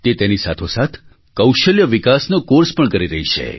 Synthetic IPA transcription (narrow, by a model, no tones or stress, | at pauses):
t̪et̪enisat̪ʰosat̪ʰ | kəwʃəljəʋikasnokoɾspəɳkəɾiɾəɦit͡ʃʰḛ